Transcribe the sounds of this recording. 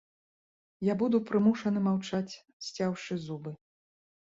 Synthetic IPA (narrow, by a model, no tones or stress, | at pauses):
jabud̪upɾɨmuʂɐnɨmawt͡ʂat͡sʲ | sʲt͡sʲawʂɨzubɨ